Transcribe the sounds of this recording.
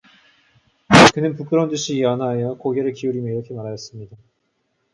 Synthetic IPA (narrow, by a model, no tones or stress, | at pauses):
kɯnɯnpuk͈ɯɾʌnduɕʰiːʌnajʌkoɡeɾɯɭkiuɾimjʌiɾʌkʰe̞maɾajʌs͈ɯmɲida